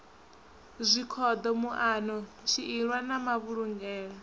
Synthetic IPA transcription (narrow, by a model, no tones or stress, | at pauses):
zʷikʰɔd̪ɔmuʔaːnɔ | ʃʰiʔiɺwanamaβuɺuŋɡɛːɺa